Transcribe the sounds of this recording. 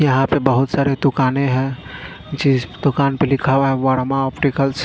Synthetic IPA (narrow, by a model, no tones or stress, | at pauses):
jəɦãpebəɦut̪saɾed̪ukaneɦɛ̃ | t͡ʃid͡ʒd̪ukanpelikʰabɦɛ̃ʋəɽmaɔpʈikəlt͡ʃʰ